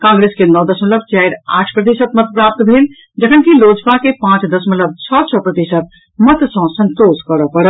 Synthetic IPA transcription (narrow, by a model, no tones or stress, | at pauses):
kãŋɡɾeskenɔd̪əsmət̪ləb̚t͡ʃajɾa̰ʈʰpɾət̪̬isət̪mət̪̚pɾap̚t̪bʱel | d͡ʒəkʰənkilod͡ʒpakepãt͡ʃd̪əsmələb̚t͡ʃʰɔt͡ʃʰɔpɾət̪isət̪̚ | mət̪sə̃sənt̪oskəɾəpəɽə